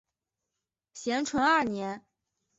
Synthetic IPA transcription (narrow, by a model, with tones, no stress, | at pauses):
ɕjɛ˧˥nʈ͡ʂʰwə˧˥nɐ˥˩njɛ˧˥n